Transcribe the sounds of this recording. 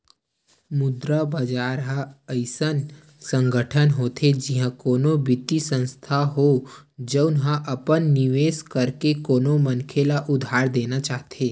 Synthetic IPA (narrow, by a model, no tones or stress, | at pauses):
mʊd̪ɾabɐd͡ʒaːɾɦaəɪsən | sə̃ŋɡəʈʰənɦoːt̪ʰed͡ʒɪɦãkoːnobɪt̪ːisə̃nst̪ʰaɦod͡ʒəʊnɦãʔɐpənːɪʋeːskəɾkekoːnomənkʰelaʔʊd̪ʱaːɾd̪eːnat͡ʃaːɦt̪ʰeː